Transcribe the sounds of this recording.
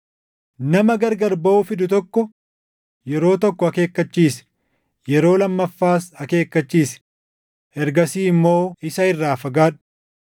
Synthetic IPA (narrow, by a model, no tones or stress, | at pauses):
nɐmɐɡɐɾɡɐɾbɐʔufɪd̪ʊt̪ɔkːɔ | jɛɾo̞ːt̪ɔkːɔɐke̞ːkːɐt͡ʃːiːsɛ̥ | jɛɾo̞ːlɐmːɐfːaːsɐke̞ːkːɐt͡ʃːiːsɛ̥ | ɛɾɡɐsiːɪmːo̞ːɪsɐɪrːaːfɐɡaːᶑʊ̥